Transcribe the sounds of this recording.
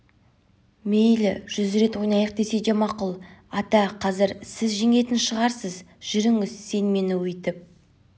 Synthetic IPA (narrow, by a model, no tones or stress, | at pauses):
mejlɪʒ̥ʏzɾe̞t̪wojnɑjəq̚d̪e̞se̞d̪emɑqʊlˠɑt̪ɑqʰɑzɪɾsɪzʒeŋe̞t̪ɪnʃəʁɑɾsəzʒ̥ʏɾɪŋɪzse̞nme̞nɪwɵjt̪ɪp̚